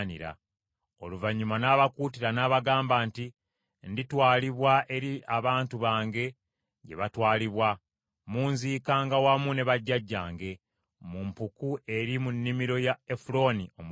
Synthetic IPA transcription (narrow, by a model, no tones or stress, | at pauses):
nḭɾa̰ | o̞luvaɲːumanaːβakuːtiɾanaːβaɡaːmbaːnti | nditwaːliβwaʔe̞ɾiʔaβaːntuβaːŋɡe̞ | ɟe̞̰βatwaːliβwa | muːnziːkaːŋɡawamune̞βaɟːaɟːaːŋɡe̞ | mumpukuʔe̞ɾimunːimiɾo̞jaefulo̞nio̞m